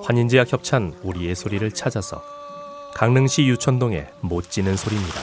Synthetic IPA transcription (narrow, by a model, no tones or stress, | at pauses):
ɸwaɲind͡ʑijakçjʌp̚t͡ɕʰanuɾie̞sʰoɾiɾɯɭt͡ɕʰad͡ʑasʰʌ̰ | kaŋnɯŋɕʰijut͡ɕʰʌndoŋe̞̰mot̚t͡ɕ͈inɯnsʰoɾimɲida̰